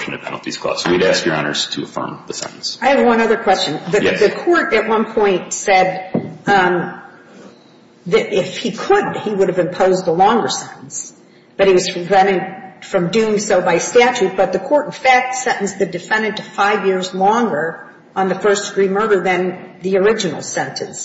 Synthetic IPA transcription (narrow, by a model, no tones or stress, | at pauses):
ʃn̩ɨ̥pʰɛ̰nl̩ˠtʰḭz̥kʰl̥ɔ̰swiɾæskjə̰˞ɑ̰̃nə̰˞z̥tʰɨəfɜ̰̃˞mðɨsɛ̰̃nn̩saɪɨvwʌ̃nʌðə˞kʰw̥ɛst͡ʃɨ̃nðɨðɨkʰɔɹɾɨt̚wʌ̃npʰɔ̃ɪ̃ntsɛd̪̚ | ðɨɾʔɪfhikʰədhiwʊɾɨvɨ̃mpʰoʊzəlɔ̃ŋɡə˞sɛ̃nɾn̩s | b̥ʌt̚hiwʌz̥pɹ̥ɨvɛ̃ɾ̃ɪ̃dfɹʌ̃mdʉɪ̃ŋsoʊbaɪstæt͡ʃʉt̚b̥ʌt̪̚ðɨkʰɔɹɾn̩fæk̚tsɛ̃nʔn̩sðɨdɨfɛ̃nɨ̃ntʰɨfaɪvjɪɹzlɔ̃ŋɡə˞ | ə̃nðɨfɜ˞sd̥ɨɡɹimɜ˞ðə˞ðɨ̃nðiə˞ɪd͡ʒɨnl̩ˠsɛ̃ntʰɨ̰̃ns